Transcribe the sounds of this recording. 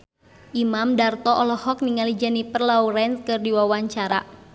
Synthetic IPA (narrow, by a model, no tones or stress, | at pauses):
ʔimamdart̪ɔʔɔlɔhɔk̚niŋalid͡ʒanipərlauɾɛnskɨrdiwawaɲt͡ʃaɾa̰